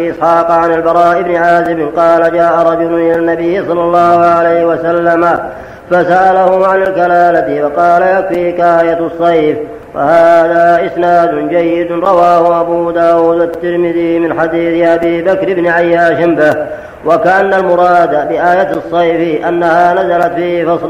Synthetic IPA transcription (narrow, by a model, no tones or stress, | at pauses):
ʔɪsħɑːqʕanɪlbɑɾˤɑːʔɪbnɪʕaːzɪmɪnqɑːlad͡ʒaːʔaɾˤɑd͡ʒʊlʊnʔɪlanːabɪjːɪsˤɑlːɑlˤːɑːhʊʕalajhɪwasalːama | fasaʔalahʊʕanɪlkalaːlat̪ɪfɑqɑːlajakfiːkʔaːjat̪sˤːɑjf | fa̰haːðaːʔɪsnaːd̪ʊnd͡ʒajːɪd̪ʊɾˤɑwaːhʊʔabuːd̪aːwuːd̪wat̪ːɪɾmɪðɪmɪnħad̪iːθɪʔabiːbakɾɪbnɪʕajːaːʃɪnbɪh | wakaʔanːalmʊɾˤɑːd̪abɪʔaːjat̪sˤːɑjfʔanːahaːnazalat̪fiːhɪfɑsˤl